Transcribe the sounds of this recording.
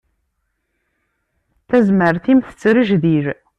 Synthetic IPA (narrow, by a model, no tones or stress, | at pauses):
θæzməɾθimθə̥t͡sːɾəʒðiɾ